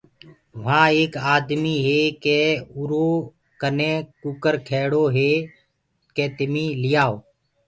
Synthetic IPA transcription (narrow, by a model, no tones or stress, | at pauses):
ʋɦãːeːkaːd̪miːɦeːkeːʊɾoː | kənẽːkʊkəɾkʰeːɽoːɦeː | keːt̪ɪmĩːlɪjaːoː